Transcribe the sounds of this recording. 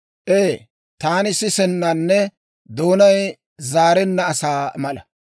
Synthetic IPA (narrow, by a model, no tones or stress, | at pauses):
ʔeː | t̪aːnɪsɪsɛnːɐnːɛ | d̪o̞ːnɐj | zaːɾɛnːɐːsaːmɐlɐ